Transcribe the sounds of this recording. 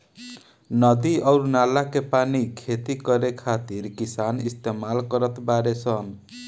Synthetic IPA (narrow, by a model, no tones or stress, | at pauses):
nʌd̪iʔʌɾunalakepanikʰet̪ikʌɾekʰat̪iɾkisanist̪emalkʌɾʌt̪baɾet͡sʰʌn